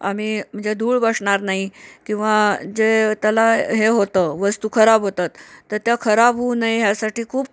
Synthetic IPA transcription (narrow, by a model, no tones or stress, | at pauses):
a̰miːm̤əɳd͡zed̪ʱuːɭbəʂɳaɾnaɦikĩw̃ʋad͡zet̪jalaɦeɦot̪əʋəst̪ukʰəɾabɦot̪at̪ːəɾt̪jakʰəɾabɦunaiɦjasaʈiːkʰuːb